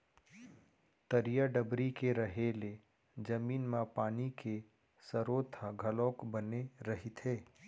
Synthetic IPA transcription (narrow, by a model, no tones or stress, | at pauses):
t̪əɾijaɖəbɾikeɾɐɦeːle | d͡ʒɐmiːnmãpaːnike | səɾoːt̪ʰaɡʱɐlõːkbəneɾɐɦit̪ʰeː